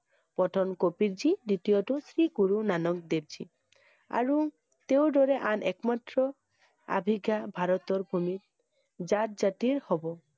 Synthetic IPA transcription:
pɔʈʰɔnkopiɾd͡ʒidit̪ijɔtusɾiɡuɾunanɔk̚d̪eb̚d͡ʒi | a̰ɹu | t̪eʊdɔɾɛʔanʔɛkmat̪ɾɔ | a̰bʱiɡabʱaɾɔt̪ɔɾbʱumit | d͡ʒat̚d͡ʒatiɾhɔbɔ

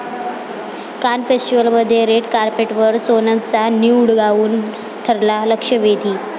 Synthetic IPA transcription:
kanfesʈiʋəlməd̪ʱːjeɾeʈkaɾpeʈʋəɾsonat͡saniuɽɡauːn | t̪ʰəɾlaləkʂəʋed̪ʱiː

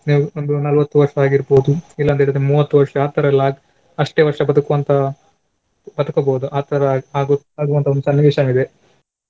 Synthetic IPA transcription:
niːʋond̪unɐlʋɐt̪ːuʋɐɾʂɐaːɡiɾboːd̪uilːɐnt̪ɐeɭit̪ːɾemuːʋɐt̪ːuʋɐɾʂɐaːt̪ɐɾɐlːaːɡ | ɐʂʈeːʋɐɾʂɐbɐd̪ɐkuʋɐnt̪ɐ | bɐd̪ɐkɐbɐːd̪uʔaːt̪ɐɾɐaːɡu | ɐd̪uʋɐnt̪ʰɐond̪usɐnːiʋiʃɐmid̪e

